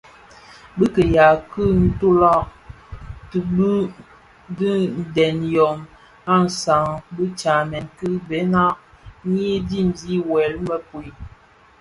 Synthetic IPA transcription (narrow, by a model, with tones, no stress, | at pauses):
bə˦kə˨ja˨kə˦n̩˦tu˦la˦˨ | tbə˦ | di˦n̩˨dɛ˨njɔ˨m | a˦n̩˨sa˨ŋbə˦t͡ʃa˨mɛ˨nkɨ˦bɛ˨˦na˦ʔ | ɲ˦e˦di˦˨mzi˦wɛ˨lmə˦pu˨i˨